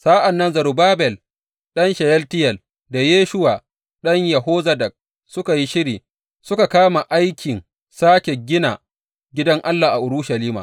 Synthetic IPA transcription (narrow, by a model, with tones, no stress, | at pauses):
saː˦ʔa˨nːɐ˦nzɐ˨ɾu˨baː˦bɛ˨l | ɗɐ˦nʃɐ˨jɛ˦ltɪ˦jɛ˨l | da˨jeː˦ʃʊ˦waː˨ | ɗɐ˦ɲjɐ˨ɦoː˦zɐ˦dɐ˨k̚ | sʊ˦ka˨ji˦ʃɪ˦ɾiː˨ | sʊ˦ka˨kaː˦ma˨ʔa˦jkʲɪ˨n | saː˦kʲe˨ɡʲɪ˦na˨ | ɡʲɪ˦dɐ˦ŋʔa˦lːaː˨ʔa˨ʔʊ˨ɽʊ˦ʃa˨liː˦ma̰˨